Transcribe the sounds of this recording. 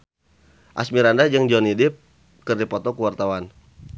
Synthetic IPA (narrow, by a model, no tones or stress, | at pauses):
ʔa̰smiɾandad͡ʒɨŋd͡ʒɔnidɪp̚ | kɨrdipɔt̪ɔkəwart̪awan